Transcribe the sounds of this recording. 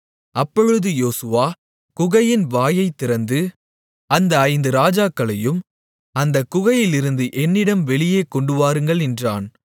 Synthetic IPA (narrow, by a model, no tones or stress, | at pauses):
ɐpːɔɻɯðɯjoːsɯʋaː | kʊɣɐjɪnʋaːjɐɪt̪ːɪɾɐnd̪ɯ | ɐnd̪ɐːɪnd̪ɯɾaːd͡ʒaːkːɐɭɐjɯm | ɐnd̪ɐkːʊɣɐjɪlɪɾɯnd̪ɯʔɛnːɪɽɐmʋɛɭɪjeːkɔɳɖɯʋaːɾɯŋɡɐɭɛndraːn